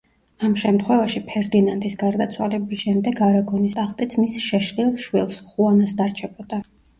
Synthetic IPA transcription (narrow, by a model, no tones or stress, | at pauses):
amʃɛmt̪ʰχwɛvaʃipʰɛɾd̪inant̪ʼisɡaɾd̪at̪sʰwalɛbisʃɛmd̪ɛɡaɾaɡɔnist̪ʼaχt̪ʼit̪sʰmisʃɛʃlilˠʃwilˠsχuanasd̪aɾt͡ʃʰɛbɔd̪a